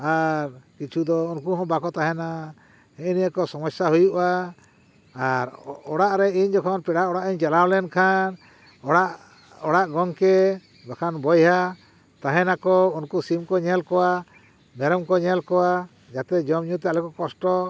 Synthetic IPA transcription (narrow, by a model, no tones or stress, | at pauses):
aɾkit͡ʃʰud̪ɔunkuɦɔ̃bakɔt̪aɦɛna | ɛinijakɔsɔmɔsaɦujuʔa | ɾɔɽaʔɾɛiɲd͡ʒɔkʰɔnpɛɽaʔɔɽaʔiɲt͡ʃɛlawlɛnkʰan | ɔɽaʔ | ɔɽaʔɡɔŋkɛ | bakʰanbɔjɦa | t̪aɦɛnakɔunkusimkɔɲɛlkɔwa | mɛɾɔmkɔɲɛlkɔwa | d͡ʒat̪ɛd͡ʒɔmɲut̪ɛalɛkɔkɔsʈɔ